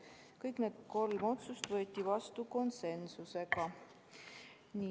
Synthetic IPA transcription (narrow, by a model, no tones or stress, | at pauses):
kɤjkned̪̥̚ko̞lmo̞t̪sust̪vɤ̞et̪ʲːˑivɑst̪uko̞nse̞nsuse̞ɡɑ | ni